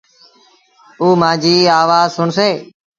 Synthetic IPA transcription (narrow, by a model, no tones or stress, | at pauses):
uːmãːd͡ʒiːaːʋaːzsʊɳseː